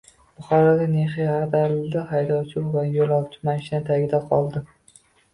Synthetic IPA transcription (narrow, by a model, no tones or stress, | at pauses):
b̥ʊχɒɾɒd̪aneχiaɾd̪aɾlɪd̪ɪhajd̪ɒwt͡ʃʰɪvajolˠɒwt͡ʃʰɪ̥maʃɪnat̪ʰaɡʲɪd̪aqʰɒlˠd̪ɪ